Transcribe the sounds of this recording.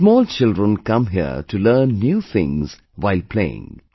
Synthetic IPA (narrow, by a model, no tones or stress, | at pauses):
smɔːlt͡ʃɪldɾə̃nkʌ̃mɦiə̰ʈulɜːnːjuːt̪ʰɪ̰̃ŋz̥ | ʋaɪlpʰlḛːɪ̰̃ŋ